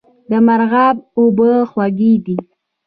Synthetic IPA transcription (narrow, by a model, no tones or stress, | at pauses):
d̪əmaɾɣabobəxwaɡid̪i